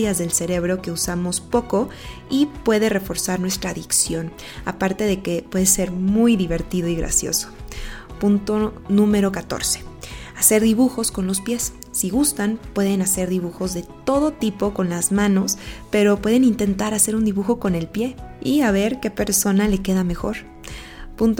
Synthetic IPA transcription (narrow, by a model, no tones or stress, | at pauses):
jazðe̞lse̞ɾe̞βɾo̞ke̞usamo̞spo̞ko̞ipwe̞ðe̞re̞fo̞ɾsaɾnwe̞st̪ɾaːðiksjo̞n | a̰paɾt̪e̞ðe̞ke̞pwe̞ðe̞se̞ɾmujðiβe̞ɾt̪iðo̞iɣɾa̰sjo̞̰so̥punt̪o̞nũme̞ɾo̞kat̪o̞̰ɾse̥ase̞ɾðiβuxo̞sko̞nlo̞spje̞sː | iɣust̪anpwe̞ðe̞nase̞ɾðiβuxo̞zðe̞t̪o̞ð̞o̞t̪ipo̞ko̞nlazmãno̞spe̞ɾo̞pwe̞ðenint̪e̞nt̪aɾase̞ɾund̪iβuxo̞ko̞ne̞lpje̞iaβe̞ɾke̞pe̞ɾso̞nale̞ke̞ðame̞xo̞ɾ | punt̪